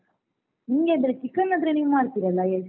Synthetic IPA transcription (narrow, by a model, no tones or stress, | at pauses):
niŋɡeːd̪ɾet͡ʃikːɐnɐd̪ɾeniːumaːɽt̪iɾɐlːɐjed͡ʒ